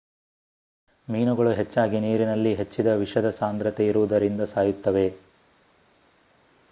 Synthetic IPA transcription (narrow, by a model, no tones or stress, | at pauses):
miːnuɡɐɭuɦe̞t͡ʃːaːɡiniːɾinɐlːiɦe̞t͡ʃːid̪ɐʋiʂɐd̪ɐsaːnd̪ɾɐt̪eiɾuʋud̪ɐɾind̪ɐsaːjut̪ːɐʋe̞